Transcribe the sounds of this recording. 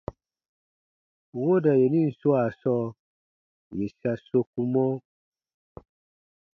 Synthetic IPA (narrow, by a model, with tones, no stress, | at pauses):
wo˦da˨je˨nĩ˦n̩˨so˦a˨sɔ˦ | je˨sa˨so˦ku˦mɔ̃˦